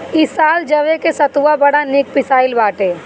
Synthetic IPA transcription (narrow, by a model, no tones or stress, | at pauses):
ɪsaːld͡ʒɐʋekesɐt̪uabɐɽanɪk̚pɪsaːɪlbaːʈeː